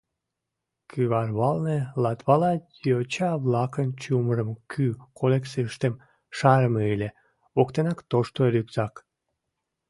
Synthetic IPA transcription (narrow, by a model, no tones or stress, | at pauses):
kʰyβɑrβɑlnelɑt̪βɑlɑjot͡ɕɑβlɑkənt͡ɕumərəmkʰykʰolekseʃt̪em | ʃɑɾəmeɯlʲe | okt̪enɑkt̪oʃt̪oɾʲykzɑk